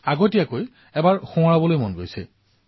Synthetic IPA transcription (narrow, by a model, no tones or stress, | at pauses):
aɡotijakoj | ɛbaɹxũaɹabɔlojmɔnɡojsɛ̰